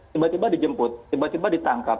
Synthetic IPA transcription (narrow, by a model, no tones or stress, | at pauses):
t̪ibat̪ibadid͡ʒəmpʊt̪̚ːibat̪ibadit̪aŋkap̚